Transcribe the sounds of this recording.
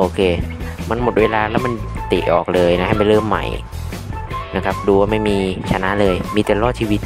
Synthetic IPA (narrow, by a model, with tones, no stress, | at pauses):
ʔoː˧kʰeː˧ma˧nmo˨˩t̪̚weː˧laː˧lɛː˦˥wma˧nt̪i˨˩ʔɔ̰ː˨˩k̚lɤː˧jna˦˥ha˥˩jpa˧˩jlɤː˥˩mːa̰˨˩j | na˦˥kʰa˦˥p̚duː˧waː˥˩ma˥˩jmiː˧t͡ɕʰa˧na˦˥ʔlɤː˧jmiː˧t̪ɛ˨˩lɔː˥˩t̪̚t͡ɕʰi˧wi˦˥t̪̚